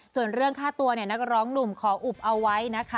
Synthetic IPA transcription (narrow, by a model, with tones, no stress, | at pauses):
su˨˩ənɾɯ˥˩əŋkʰaː˥˩t̪u˧əni˥˩əna˦˥k̚ɾɔː˦˥ŋnu˨˩mkʰɔː˩˦ʔu˨˩p̚ʔa˧wwa˦˥jna˦˥kʰa˦˥